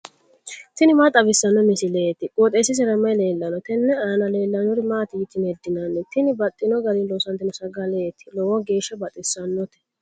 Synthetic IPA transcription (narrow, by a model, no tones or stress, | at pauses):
t̪ɪnɪmaːt̪ʼɐbɪsːɐnːɔmɪsɪleːt̪ːɪkʼoːt̪ʼeːsːɪs̬ɛɾɐmːɐjle̞ːlːɐnɔt̪ɛnːɛaːnɐle̞ːlːɐnʊɾɪmaːt̪ɪɪt̪ːɪnɛd̪ːɪnɐnːɛt̪ɪnɪbɐt̪ʼːɪnɔɡɐd̪ɪnloːsɐnt̪ːɪnɔsɐɡɐleːt̪ːɪ̥lɔwɔɡe̞ːʃːɐbɐt̪ʼːɪsːɐnːɔt̪ɛ̥